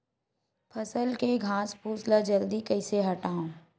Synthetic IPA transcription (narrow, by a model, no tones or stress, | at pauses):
pʰɐsəlkeɡʱãːspuːslad͡ʒɐld̪ikɐɪseɦɐʈaːõː